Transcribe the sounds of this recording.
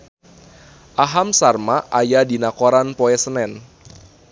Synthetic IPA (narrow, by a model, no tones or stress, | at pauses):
ʔaɦamsarmaʔajadinakoɾanpɔɛsənɛn